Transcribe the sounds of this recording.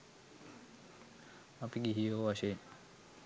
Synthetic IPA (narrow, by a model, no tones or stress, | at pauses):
mapiɡiɦijowaʃeɲ